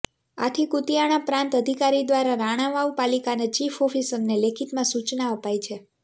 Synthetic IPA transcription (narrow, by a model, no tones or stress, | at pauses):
a̰t̪ʰikut̪ijaɽ̃ãpɾãnt̪əd̪ʱikaɾid̪ʋaɾaɾaɽ̃aʋaupalikanet͡ʃifɔfisəmnelekʰit̪mãsut͡ʃnaəpajt͡ʃʰe